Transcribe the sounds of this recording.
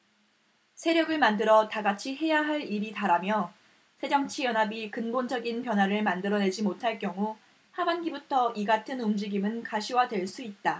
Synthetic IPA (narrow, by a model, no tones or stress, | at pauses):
sʰe̞ɾjʌɡɯɭmandɯɾʌtaɡat͡ɕʰiɦe̞jaɦaɭiɾitaɾamjʌ | sʰe̞d͡ʑʌŋt͡ɕʰijʌnɦabikɯnbond͡ʑʌɡinpjʌnwaɾɯɭmandɯɾʌne̞d͡ʑimotʰaɭk͈jʌŋu | habanɡibutʰʌʔiɡatʰɯnumd͡ʑiɡimɯnkaɕʰiwadwe̞ɭs͈uit̚t͈a